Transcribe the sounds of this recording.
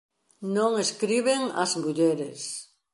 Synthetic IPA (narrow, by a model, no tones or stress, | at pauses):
nõŋeskɾiβeŋa̰zmuʎeɾḛs